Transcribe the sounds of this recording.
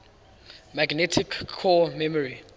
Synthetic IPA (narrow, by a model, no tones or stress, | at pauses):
maɡnɛtʰikʰːɔmɛmɔɹi